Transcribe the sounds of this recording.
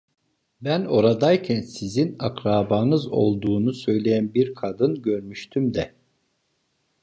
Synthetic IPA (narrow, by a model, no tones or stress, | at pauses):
bæno̞ɾad̪ajcʰænsizinakɾaːbanɯzo̞̰lˠd̪uːnusø̞jlʲe̞jænbiɾkʰad̪ɯnɟø̞ɾmyʃt̪ʰymd̪ɛ